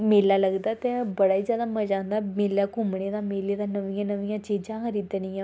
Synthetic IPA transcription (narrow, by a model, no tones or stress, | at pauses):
meːlaːləɡd̪aːt̪ẽbəɽaːiːzjaːd̪aːməd͡ʒãːnd̪aːmeːlaːkʊmneːd̪aːmeːleːd̪aːnəʋɪjãːnəʋɪjãːt͡ʃiːd͡ʒãːkəɾiːd̪ənɪjãː